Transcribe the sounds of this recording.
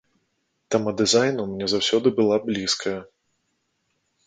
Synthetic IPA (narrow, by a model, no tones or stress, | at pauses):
t̪ɐmɐd̪ɨzajnuwmʲnʲɛzawsʲɔd̪ɨbɨlˠablʲiskʰɐjɐ